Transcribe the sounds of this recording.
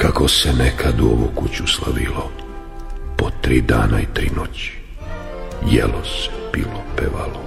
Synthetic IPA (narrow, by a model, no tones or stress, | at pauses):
kakosenekʰad̪uo̰ʋukut͡ɕuslaʋilo | pot̪ɾiːd̪aːnait̪ɾinot͡ɕi̥ | jelose̥b̥ilopeʋalo